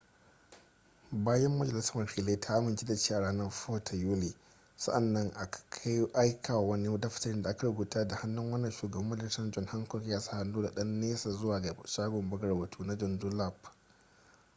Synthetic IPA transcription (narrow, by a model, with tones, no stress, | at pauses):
baː˦jɐ˦mːɐ˦d͡ʒɐ˨lɪ˦sa˦mɐ˨fiː˨la˦tʰa˦ʔa˦mɪ˨nt͡ʃe˦da˨t͡ʃeː˦ʔa˨ɽaː˦nɐ˦rɸoː˦tʰa˨juː˦li˨ | sɐ̰˦ʔa˨nːɐ˦ŋʔa˨kḁ˨kʰa˦jʔa˦jkʰaː˨wa˨wɐ˦ni˦da˦ɸɪ̥˦tɐ˦ɾɪ˦da˨ʔa˦ka˨ɽʊ˦ɡuː˨taː˦da˨ha˦nːʊ˦ŋwɐ˦nːɐ˨ʃuː˨ɡɐ˨bɐ˦mːɐ˦d͡ʒɐ˨lsɐ˦nd͡ʒɔ˦˨ŋha˦ŋkɔ˨kʲjaː˦sḁ˦ha˨nːuː˦da˨ɗɐ˦nːeː˦saː˨zʊ˦waː˨a˨ʃaː˦ɡʷɔ˨mbɐ˦ɡɐ˦˨ɽbɐ˨tʰuː˦na˦d͡ʒɔ˨ndu˦la˦˨p